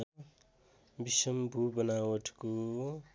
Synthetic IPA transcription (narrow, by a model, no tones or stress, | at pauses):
biʃəmbʱubənawəʈʰko